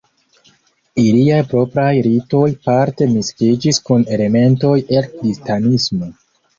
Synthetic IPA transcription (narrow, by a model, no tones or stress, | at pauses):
iliajpɾo̞pɾajɾito̞jpaɾte̞miskid͡ʒiskune̞le̞me̞nto̞je̞lkɾistanismo̞